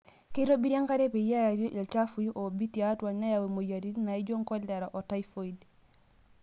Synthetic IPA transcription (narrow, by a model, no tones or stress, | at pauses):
keɾobiɾiaŋkaɾepejajaɾjoʔilt͡ʃafujuʔobitiatwanajawemojaɾinaiɟoŋkolːeɾaʔotajfoid